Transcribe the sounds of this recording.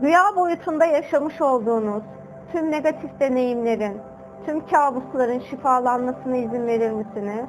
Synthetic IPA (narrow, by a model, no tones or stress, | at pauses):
ɟyjaːbo̞jut̪ʰund̪ajaʃamɯʃo̞lˠd̪uːnuz̥ | t̪ʰymne̞ɡat̪ʰifd̪e̞ne̞jimlʲe̞ɾin | t̪ʰymcʰaːbuslˠaɾɯnʃifaːlˠanmasɯnɯizinve̞ɾilʲmesinɪ